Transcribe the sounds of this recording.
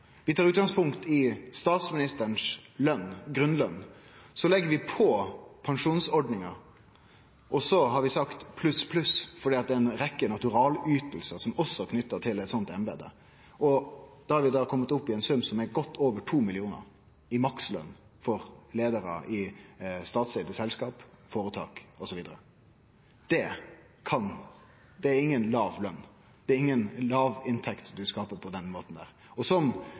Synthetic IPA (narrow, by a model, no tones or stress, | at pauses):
ʋɪt̪ʰɑːɾʉːt̪̚ɡɑŋspʰʊŋkt̪ɪst̪ɑːt̪smɪnɪst̪əəɳslœnɡɾʉnːlœnsɔlɛɡːəɾʋɪpʰɔpʰɑŋʂuːnsɔɖnɪŋɑ | ʔɔsɔhɑɾʋɪsɑkt̪pʰlʉspʰlʉsfɔɖiːɑt̪̚d̪ɛɛnɾɛkːənɑt̪ʉɾɑːlyːt̪l̩səsɔmɔsːɔkʰnʏt̪ːət̪ʰɪlɛt̪sɔnt̪ɛnbḛːd̪ə̰ | ʔɔd̪̥ɑhɑɾʋɪd̪ɑːkʰɔmːət̪ʊpːɪɛnsʉmsɔmɛɾɡɔt̪ːoːʋəʈʰuːmɪlɪuːnə̰ɾ | ɪmɑkslœ̰nː | fɔɾleːd̪əɾə̰ʔɪst̪ɑːt̪sɛɪd̪əsɛlskɑːpfoːɾət̪ʰɑ̰ːkɔsɔʋiːd̪əɾə | d̪̥ɛ | kʰɑn | d̪ɛæɾɪŋːənlɑːʋlœnː | d̪̥ɛæɾɪŋːənlɑːʋɪnt̪ʰɛkt̪d̪ʉskɑːpəpʰɔd̪ɛnmoːt̪n̩d̪æ̰ːɾ | ɔsɔm